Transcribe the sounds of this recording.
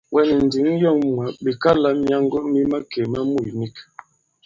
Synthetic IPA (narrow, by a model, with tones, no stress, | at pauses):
wʔɛ˦ni˨n̩˨di˨˦ŋ˦jɔ˦˨ŋm˨a˨bi˨ka˦la˦m˦a˦ŋɡɔ˦mi˦ma˦ke˨ma˦mu˦˨ni˦k